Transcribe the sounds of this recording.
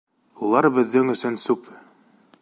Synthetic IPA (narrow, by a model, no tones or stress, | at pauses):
ulˠɑɾbɘ̆ðːɘŋɵ̆sɵnsʉp